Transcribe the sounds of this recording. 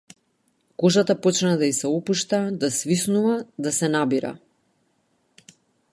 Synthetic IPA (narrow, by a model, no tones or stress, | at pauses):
kɔʒat̪apɔt͡ʃnad̪aisɛɔpuʃt̪ad̪asvisnuvad̪asɛnabiɾa̰